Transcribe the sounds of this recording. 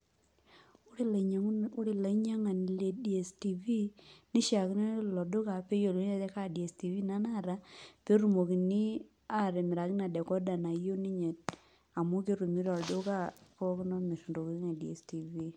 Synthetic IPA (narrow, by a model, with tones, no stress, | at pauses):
ɾi˨la˨˦ɲa˦ŋa˨n˨le˨di˨e˨sti˨vi˦ni˦ʃja˨kn˦lɔ˨dʊ˦ka˨pe˦jo˨le˦t̪ɛ˦ka˦˨di˨e˨sti˨vi˦na˦na˦ɾa˦pe˦ɾu˨mo˨ki˨ni˦ | a˦˨ɾɛ˨mɪ˨ɾa˨kɪ˦na˨dɛ˨kɔ˦da˨na˨jo˦ni˦ɲe˨t̚ | a˨mu˦ke˦ɾu˨mi˦ɾɔ˨dʊ˦ka˦pɔ˦kɪ˦nɔ˦mi˨su˨ndo˨ki˦a˨di˨e˨sti˨vi˦